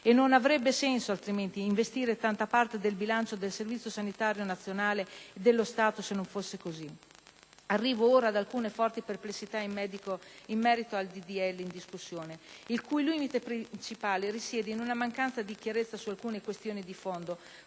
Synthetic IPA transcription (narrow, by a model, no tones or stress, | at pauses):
enːonavɾɛbːesɛnsoalt̪ɾiment̪iːɱvest̪iːɾet̪ant̪apart̪ed̪elbilant͡ʃod̪elservit̪sːjosanit̪aːɾjonat̪sːjonaːleed̪ːelːost̪aːt̪osenːoɱfosːekozi | arːiːvooːɾaːd̪alkuːnefɔrt̪iperplesːit̪aimːɛːd̪ikoimːɛːɾit̪oald̪id̪iɛlːind̪iskusːjoːneilkujliːmit̪epɾint͡ʃipaːleɾisjɛːd̪einunamaŋkansad̪ik̟jaɾet̪sːasualkuːnekwest̪joːnid̪ifond̪o